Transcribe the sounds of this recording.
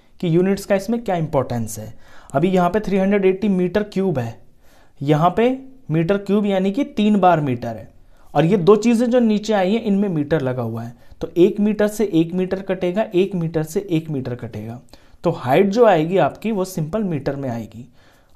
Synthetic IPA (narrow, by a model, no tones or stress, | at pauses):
kijuːnɪʈskaɪsmẽkjaːɪ̃mpɔːɾʈə̃nsɦɛːɐbʱijɐɦãpet̪ʰɾiːɦɐ̃ɳɖɾeɖeːʈːimiːʈəɾkjuːbɦɛː | jɐɦãpemiːʈəɾkjuːbjaːnikit̪iːnbaːɾmiːʈəɾɦɛː | ɔːɾjed̪oːt͡ʃiːzẽd͡ʒoːniːt͡ʃeaːiɦɛ̃ʔɪnmẽmiːʈəɾlɐɡaɦʊaɦɛːt̪oːʔeːkmiːʈəɾseʔeːkmiːʈəɾkɐʈeːɡaʔeːkmiːʈəɾseʔeːkmiːʈəɾkɐʈḛːɡaːt̪oːhaːɪʈ̚d͡ʒoːaːeːɡiaːpkiʋosɪ̃mpəlmiːʈəɾmẽa̰ːḛːɡiː